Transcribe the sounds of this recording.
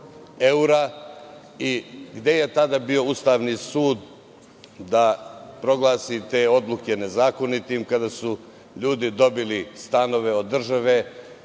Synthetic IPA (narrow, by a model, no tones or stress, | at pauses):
euɾa | iɡd̪e̞je̞t̪ad̪abio̞ust̪aːʋnisuːd̪ː | apɾo̞ɡlˠaːsit̪e̞ːo̞d̪lˠukʲe̞ne̞zaːko̞nit̪imkad̪asu | ʎuːd̪id̪o̞bilist̪ano̞ʋe̞o̞d̪ːr̩ʒaʋe